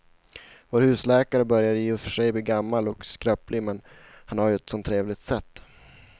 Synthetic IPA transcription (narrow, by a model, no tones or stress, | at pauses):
voːɾhʉ̟ːslɛːkaɾəbœɾjad̪jeːfœʂɛjbliːɡamːalɔkskɾœːplɪmɛn | hanhaɾjɵɛt̪sɔnt̪ʰːɾeːvlɪɡ̚t̪sɛt̪ː